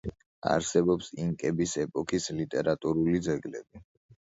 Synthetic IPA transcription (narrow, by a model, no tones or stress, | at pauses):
a̰ɾsɛbɔpsiŋkʼɛbisɛpʼɔkʰislit̪ʼɛɾat̪ʼuɾulid̪zɛɡlɛbi